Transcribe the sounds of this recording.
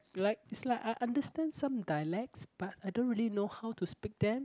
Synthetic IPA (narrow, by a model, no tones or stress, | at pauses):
laɪk̚ɪtslaɪkajʔãndəstɛ̃ndsãmdaɪlɛk̚sb̥atajdõntɹilinohawtuspik̚d̪ɛ̃m